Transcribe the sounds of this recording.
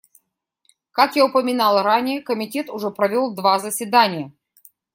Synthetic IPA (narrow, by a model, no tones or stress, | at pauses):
kakjaʊpəmʲɪnalˠranʲɪjəkəmʲɪtʲe̞t̪ʊʐɛpɾɐvʲo̞lˠd̪vazəsʲvʲɪd̪anʲɪjə